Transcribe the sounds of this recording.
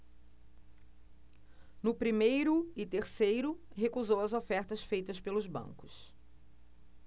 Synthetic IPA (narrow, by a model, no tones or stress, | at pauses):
nʊpɾimejɾʊɪt̪eɾsejɾʊɦekuzowɐzofɛɾt̪ɐsfejt̪ɐspelʊzbɐ̰̃ŋkʊ̥s